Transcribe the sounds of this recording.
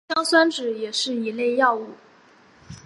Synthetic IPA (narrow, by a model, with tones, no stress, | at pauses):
ɑ˥ŋswa˥nʈ͡ʂɻ̩˨˩jɛ˨˩ʂɻ̩˥˩i˧˥le˥˧ɪjɑ˥˧ʊu˥˩